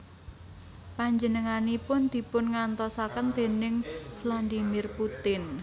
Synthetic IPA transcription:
paɲd͡ʒənəŋanipʊnd̪̥i̤pʊnŋant̪ɔsakənd̪̥e̤nɪŋfland̪imɪrput̪ɪn

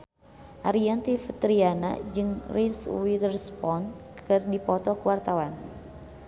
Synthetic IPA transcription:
ʔaɾiant̪ifət̪ɾiana̰d͡ʒɨŋriswit̪ərspɔnkɨrdipɔt̪ɔkəwart̪awan

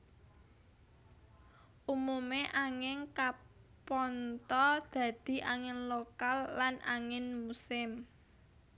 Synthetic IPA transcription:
ʔumumeʔaŋɪŋkapɔnt̪ɔd̪̥ä̤d̪̥i̤ʔaŋɪnlokalːanʔa̰ŋɪnmusɪm

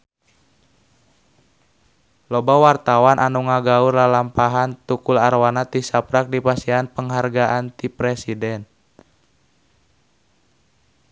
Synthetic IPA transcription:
lɔbawart̪awanʔanuŋaɡaurlalampaɦant̪ukularwanat̪isapɾak̚dipasianpəŋɦarɡaʔant̪ipɾɛsidɛn

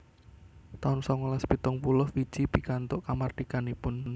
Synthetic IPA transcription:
t̪aʊnsɔŋulaspit̪ɔŋpulʊhfi̥ʒ̥ipikant̪ʊʔkamard̪̥ikanipʊn

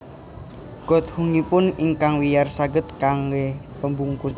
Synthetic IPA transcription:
ɡ̥ɔ̤t̪̚huŋipʊniŋkaŋwijarsaɡə̤t̪̚kaŋweh | pəmbuŋku

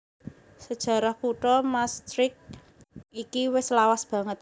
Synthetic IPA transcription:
səd̥ʒ̥ä̤ɾahpuʈɔmast̪ɾɪk̚ | ikiwɪslawasb̥ä̤ŋət̪̚

